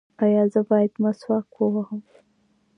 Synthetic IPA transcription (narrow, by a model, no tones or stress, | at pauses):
ajɑzəbɑjad̪maswɑkwowahəm